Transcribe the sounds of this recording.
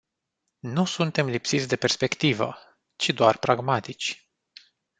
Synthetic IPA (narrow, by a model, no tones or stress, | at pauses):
nusunt̪e̞mlipsit̪sʲd̪e̞pe̞rspe̞kt̪ivə̰ | t͡ʃid̪oarpɾaɡmat̪it͡ʃʲ